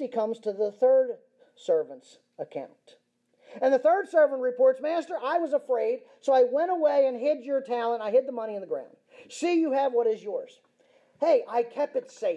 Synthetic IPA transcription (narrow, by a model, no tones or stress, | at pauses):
ikʰʌ̃mz̥tʰɨðəθɜ˞d | sɜ˞və̃nts | əkʰã̰ʊ̃nt | ɨ̃nðɨθɜ˞d̥sɜ˞və̃nʔɹɨpʰɔɹtsmæstə˞ʔaɪwʌzəfɹeɪd̥̚soʊaɪwɛ̃ɾ̃əweɪɨ̃nɦɪd͡ʒə˞tʰælˠə̃naɪɦɨd̪̚ðəmʌɾ̃iɨ̃nðɨɡɹã̰ʊ̃nd̥sijɨɨvwʌɾɨzjɔɹz̥ | heɪʔaɪkʰɛpɨtseɪ